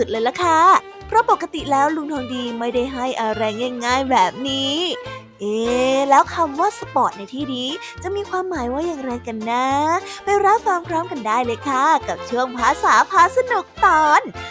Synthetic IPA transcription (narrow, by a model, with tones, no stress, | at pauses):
su˨˩t̪̚lɤː˧jla˧˦kʰa˥˩ | pʰɾɔ˦˥po˨˩kːa˧t̪i˨˩lɛː˦˥wlu˧ŋt̪ʰɔː˧ŋdiː˧ma˥˩jda˥˩jɦa˥˩jʔaː˧˩ɾɛː˧ŋjaː˧ŋːaː˥˩jbɛː˨˩p̚niː˦˥ | ʔeː˧˩lɛː˦˥wkʰa˧mwaː˥˩sa˧pɔː˨˩t̪̚na˧jt̪ʰiː˥˩diː˧˩ | t͡ɕa˨˩ʔmiː˧kʰwaː˧mːaː˨˦jwaː˥˩jaː˨˩ŋɾaː˧jka˧nːa˦˥pa˧jɾa˦˥faː˧mkʰɾɔː˦˥mka˧ndaː˥˩jlɤː˧˩jkʰa˥˩ka˨˩p̚t͡ɕʰɯ˥˩əŋpʰaː˧˥saː˨˦pʰaː˧˥sa˧nu˨˩k̚t̪ɔː˨˩n